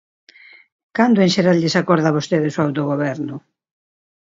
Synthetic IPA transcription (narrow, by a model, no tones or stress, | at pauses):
kand̪ʊeŋʃeɾalʎɪsakɔɾðaβost̪eðɪsoawt̪oɣoβɛɾnʊ